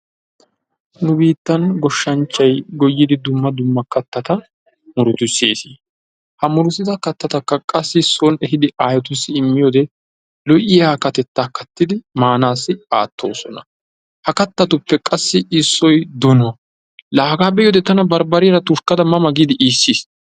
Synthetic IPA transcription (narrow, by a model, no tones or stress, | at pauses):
nʊbiːt̪ːɐnɡɔʃːɐnt͡ʃːɐjɡɔjːɪd̪ɪd̪ʊmːɐd̪ʊmːɐkɐt̪ːɐt̪ɐ | mʊɾʊt̪ʊseːsiː | hɐmʊɾʊsɪt̪ɐkɐt̪ːɐt̪ɐkːɐkʼɐsːɪsːɔnɛhɪd̪ɪʔaːjɔt̪ʊsːɪɪmːɪjoːd̪ɛ | lɔʔɪjaːkɐt̪ɛt̪ːaːkɐt̪ːɪd̪ɪmaːnaːsːɪaːt̪ːo̞̰ːsɔnɐ | hɐkɐt̪ːɐt̪ʊpːɛkʼɐsːɪɪsːɔjd̪ɔno | laːɡaːbɛjoːd̪ɛt̪ɐnɐbɐɾbɐɾɪɾɐt̪ʊʃkːɐd̪ɐmɐmɐɡiːd̪ɪʔiːsːis